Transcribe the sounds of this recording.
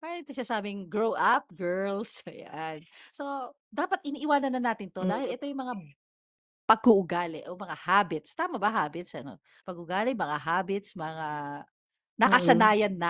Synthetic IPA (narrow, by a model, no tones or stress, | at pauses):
paːɾɐnɪt̪ɪasaːbɪŋɡɹowʔap̚ɡɛɹlsɐja̰nso̞ | d̪aːpɐt̪̚ʔɪniːʔɪwaːnɐnːɐnaːt̪ɪnt̪od̪aːhɪlʔɛt̪ojʊŋmɐŋa | pɐɡʊʔʊɡalɛʔomɐŋahaːbɪt̪st̪aːmɐbɐɦaːbɪt̪sʔɐno̞̰ | pɐɡʊɡaːlɪmɐŋaɦaːbɪt̪smɐŋa | nɐkɐsɐnaːjɐnːɐ